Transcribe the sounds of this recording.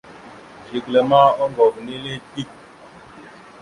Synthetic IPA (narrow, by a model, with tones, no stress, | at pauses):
d͡ʒi˨klɛ˨maː˦ɔ˦ŋɡɔ˨kni˦le˦ti˦k̚